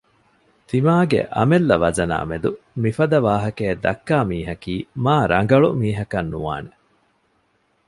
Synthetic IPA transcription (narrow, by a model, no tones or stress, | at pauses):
t̪imaːɡḛʔɐ̰melːɐʋɐzɐna̰ːmed̪u | mifɐd̪ɐʋaːɦɐkeːd̪ɐkːaːmiːɦɐkiːmaːɾɐŋ̆ɡɐɭumiːɦɐkɐnːuʋa̰ːne